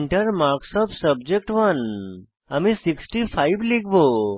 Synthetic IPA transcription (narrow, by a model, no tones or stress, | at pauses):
ɳʈəɾmaɾksɔpsəbd͡ʒek̚ʈʋən | amĩsiksʈipʰajblikʰbo